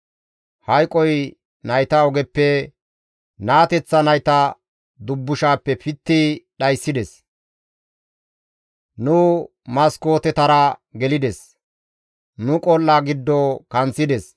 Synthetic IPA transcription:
hɐjkʼɔj | nɐjt̪ɐɔɡɛpːɛ | naːt̪ɛt͡sːɐnɐjt̪ɐ | d̪ʊbːʊʃaːpːɛpɪt̪ːɪɗɐjsːɪd̪ɛs | nʊ | mɐsko̞ːt̪ɛt̪ɐɾɐɡɛlɪd̪ɛs | nʊkʼɔlːaɡɪd̪ːɔkɐnt͡sːɪd̪ɛs

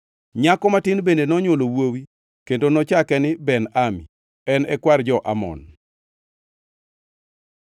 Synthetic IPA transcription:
ɲakɔmatɪnbendenɔɲolowowi | kendonɔt͡ʃakɛnɪbɛnamḭ | ɛnɛkward͡ʒɔʔamɔ̰n

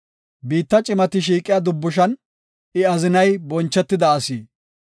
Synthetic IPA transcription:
biːt̪ːɐt͡ʃʼɪmɐt̪ɪʃ̬iːkʼɪjɐd̪ʊbːʊʃ̬ɐn | ɪɐzɪnɐjbɔnt͡ʃːɛt̪ːɪd̪ɐːsiː

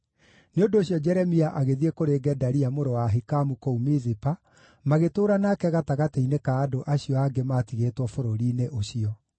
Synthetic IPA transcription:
neondoːɕjɔd͡ʒɛɾɛmiaʔaɣeðiekoɾeɡɛdaɾiamoɾowaɦikamukoumiðipa | maɣetoːɾanakɛɣataɣateinekaːdoʔaɕiɔaɡemaːtiɣeːtwɔfoɾoɾiːneʔoɕiɔ

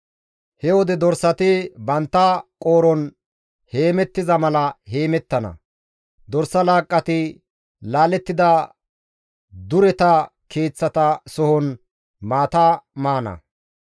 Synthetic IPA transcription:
hɛwɔd̪ɛd̪ɔɾsɐt̪ɪbɐnt̪ːɐkʼoːɾɔn | he̞ːmɛt̪ːɪzɐmɐlɐhe̞ːmɛt̪ːɐnɐ̰ | d̪ɔɾsːɐlaːkʼːɐt̪ɪ | laːlɛt̪ːɪd̪ɐ | d̪ʊɾɛt̪ɐ | kʰe̞ːt͡sːɐt̪ɐsɔhɔn | maːt̪amaːnɐ̰

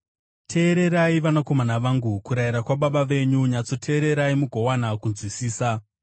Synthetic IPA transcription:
tʰe̞ːɾe̞ɾaiʋanako̞manaʋaːŋɡukuɾaiɾakwaɓaɓaʋe̞ɲuɲat͡so̞tʰe̞ːɾe̞ɾaimuɡʱo̞wanakunzwisiːsa

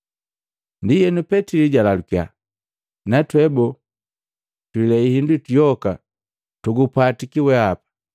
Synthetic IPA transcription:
ndijɛnupɛtiliɟalalukia̰ | natwɛbɔ | twilɛihindutijɔka | tuɡupatikiwɛapḁ

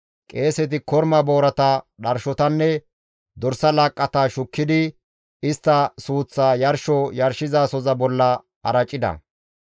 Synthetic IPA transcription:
kʼe̞ːsɛt̪̬ɪkɔɾmɐbo̞ːɾɐt̪ɐɗɐɾʃɔt̪ɐnːɛ | d̪ɔɾsɐlaːkʼːɐt̪aʃʊkːɪd̪ɪ | ɪst̪ːɐsuːt͡sːaːjɐɾʃɔjɐɾʃɪzaːsɔzɐbɔlːɐ | ɐɾɐt͡ʃʼːɪd̪ɐ̰

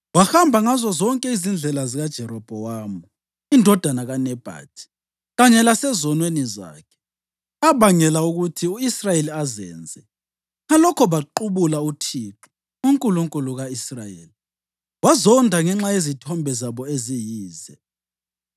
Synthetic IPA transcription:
wahambʱaŋazɔzɔŋkʼɛizind͡ɮʱɛlaziɣad̥ʒ̥ʱɛɾɔb̥ʱɔwaːmu | indʱɔd̥ʱanaɣanɛb̥ʱa̰ːtʰi̥ | ɣaɲɛlasɛzɔnweniza̰ːkʰɛ̥ | aβaŋɛlauɣutʰiuisrajeliazɛ̰ːnd͡zʱɛ | ŋalɔkʰɔβaǃuβulautʰiːǁɔ̥ | uŋkʼuluŋkʼuluɣaisra̰jḛːli | wazɔndʱaŋɛŋ͡ǁajezitʰɔmbʱɛzaβɔezijiːzɛ

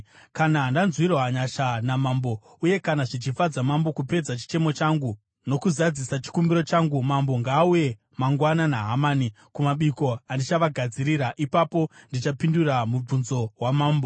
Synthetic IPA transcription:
kanaɦndanzwirɦaɲaʃanamambo̞ | uje̞kanaʐit͡ʃifad͡zamambo̞kupe̞d͡zat͡ʃi̥t͡ʃe̞mo̞t͡ʃaŋɡu | no̞kuzad͡zisat͡ʃi̥kumbiɾo̞t͡ʃaŋɡumambo̞ŋɡaːuje̞ | maŋɡwananaɦamaːni | kumaɓiko̞andit͡ʃaʋaɡʱad͡ziɾiɾaʔipapo̞ndit͡ʃapinduramub͡vunzo̞ɦwamaːmbo̞

